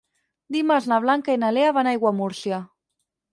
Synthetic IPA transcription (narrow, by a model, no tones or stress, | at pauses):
d̪imaznaβ̞laŋkainaleaβanajɣwamuɾsja